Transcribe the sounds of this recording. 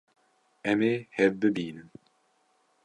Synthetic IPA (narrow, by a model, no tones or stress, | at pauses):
ɛmehɛvbɨbiːnɨm